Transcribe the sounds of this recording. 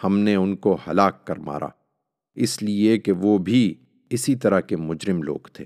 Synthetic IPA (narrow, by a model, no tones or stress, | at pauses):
hɐmneʊnkohɐlaːkːɐɾma̰ːɾʔa̰ː | ɪsliekeʋoːbʱi | ɪsit̪ɐɾakemʊd͡ʒɾɪmlo̰ːɡt̪ʰeː